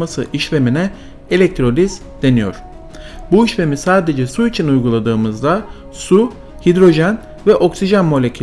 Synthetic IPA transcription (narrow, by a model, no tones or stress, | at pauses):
masɯʔiʃve̞minɛ | elʲɛc̚t̪ʰɾo̞lʲiz | d̪̥e̞nijo̰ɾ̥ | buiʃve̞misaːd̪e̞d͡ʒɛsuit͡ʃʰinujɡulˠad̪ɯːmɯzd̪a | su | hid̪ɾo̞ʒæn | vɛʔo̞ksiʒanmo̞lʲecʰy